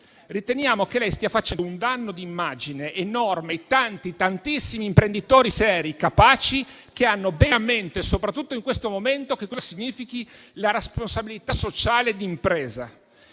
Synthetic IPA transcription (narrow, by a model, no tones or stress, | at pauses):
rit̪enjaːmok̟elɛjst̪iafat͡ʃɛnd̪ound̪anːod̪iːmːad͡ʒineʔːnɔrmejt̪ant̪it̪ant̪isːimiːmpɾend̪it̪oːɾisɛːɾikapaːt͡ʃi | k̟eanːobɛament̪esopɾat̪ːut̪ːoiŋkwest̪omoment̪okekːɔzasiɲːiːfiki | laɾesponsabilit̪asot͡ʃaːled̪impɾeːza